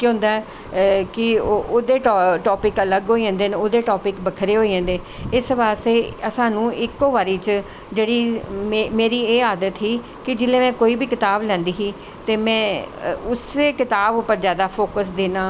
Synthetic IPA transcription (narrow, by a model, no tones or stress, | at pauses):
kõɦʊ̃nd̪aːɛ | kɪooːd̪eːʈːʈɔːpɪkələɡɦoːiɛ̃ːnd̪eːnoːd̪eːʈɔːpɪkbəkʰɾeːɦoːiɛ̃ːnd̪eː | ɪsʋaːst̪eːəsãːnũːɪkoːʋaːɾiːt͡ʃ | d͡ʒeːɽiːmemeːɾiːeːaːd̪ət̪ɦiː | kɪd͡ʒɪlẽːmɛ̃ːkoːiːbiːkɪt̪aːblɛ̃ːnd̪iːɦiː | t̪eːmɛ̃ːʊseːkɪt̪aːbʊpːəɾzjaːd̪aːpʰoːkəsd̪eːnãː